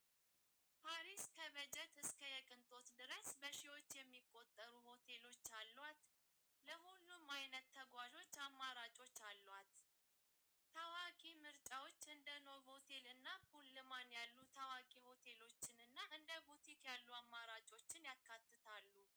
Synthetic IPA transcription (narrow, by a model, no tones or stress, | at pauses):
pʰaɾiskʰəβəd͡ʒɛt̪ɨskʰəjɛkʼɨnt̪ʼo̞t̪d̪ɨɾəsbəʃiwo̞t͡ʃːjɛmːikʼːo̞t̪ʼːəɾuho̞t̪ʰe̞lo̞t͡ʃːalːwat̪ | ləhulːumajnət̪ʰːəɡʷaʒo̞t͡ʃːamːaɾat͡ʃʼo̞t͡ʃːalːwat̪ | əwakʼimɨɾt͡ʃʼawo̞t͡ʃːɨnd̪əno̞βho̞t̪ʰe̞lɨnːakulːɨmanjalːut̪ʰəwakʼiho̞t̪ʰe̞lo̞t͡ʃːɪnɨnːaʔɨnd̪əbut̪ʰikjalːuamːaɾat͡ʃʼo̞t͡ʃːɪnjakːat̪ːɨt̪ʰalːu